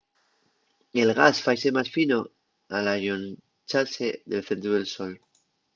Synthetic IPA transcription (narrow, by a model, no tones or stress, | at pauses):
e̞lɣ̞asfajsemasfino | alaʎon | t͡ʃalseðe̞lθe̞nt̪ɾuðelsol